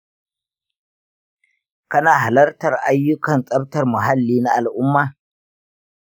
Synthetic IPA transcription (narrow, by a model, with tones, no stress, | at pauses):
kɐ˦naː˨ɦa˨lɐ˦rtɐ˨rʔa˦jːʊ˦kɐ˨nsʼɐ˦btɐ˨rmʊ˨ɦa˦lːiː˦na˦ʔa˨lʔʊ˦mːaː˨